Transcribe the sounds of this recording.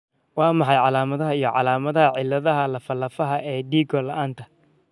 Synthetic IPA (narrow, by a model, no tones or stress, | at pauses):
wɑːmɑħɑjʕɑlaːmɐðɐɦɐijɞʕɑ̰laːmɐðɐɦɐʕɪlːɐðɐɦɐlɐfɐlːɐfɐɦɐʔɛːɖiːɡɔlɐʔaːnt̪ʰɐ